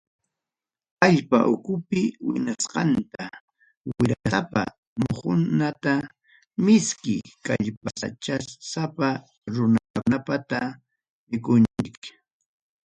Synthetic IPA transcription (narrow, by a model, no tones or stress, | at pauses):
aʎpa̰ʔʊkʊpɪwɪ̰nasqɑnt̪a | wɪɾasapa̰ | mʊhʊ̰nat̪a | mɪskɪkaʎpasa̰t͡ʃasapa | ɾʊnakʊnapat̪a | mɪkʊnt͡ʃɪk